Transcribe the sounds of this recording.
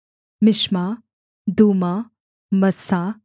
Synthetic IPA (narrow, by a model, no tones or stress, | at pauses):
mɪʃmaː | d̪uːma | mɐsaː